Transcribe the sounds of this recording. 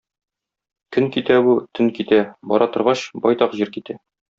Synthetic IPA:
kɵŋkit̪æbut̪ʰɵŋkit̪æbɒ̰ɾɑt̪ŏɾʁɑɕbɒjt̪ɑqʑiɾkit̪æ

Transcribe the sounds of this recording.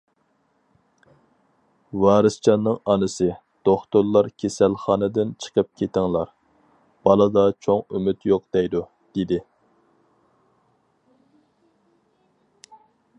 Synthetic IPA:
wɑːɾɨst͡ʃʰɑnːɨŋɑnɨsɨ | d̪̥oχt̪ʊɾlˠːɑɾkʲʰesælχɑːnɨd̪ɪnt͡ʃʰə̥qʰəp̚kʲʰet̪ɪŋlˠɑɾ | b̥ɑlˠɨd̪ɑt͡ʃʰoŋymyt̪joq̚d̪̥ɛjd̪u | d̪̥ed̪ɪ

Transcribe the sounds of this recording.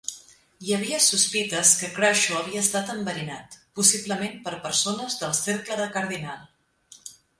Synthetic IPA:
jəβ̞iəsuspit̪əskəkɾɔʃuəβiəːst̪at̪əmbəɾinat̪pusibləmempəɾpəɾsonəzðəlˠseɾkləðəkəɾðinalˠ

